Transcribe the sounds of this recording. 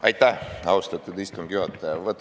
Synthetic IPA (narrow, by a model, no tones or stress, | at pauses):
ɑjt̪ːæhɑwst̪ɑt̪ːud̪ist̪umɡ̥juhɑt̪ːɑjɑʋət̪ː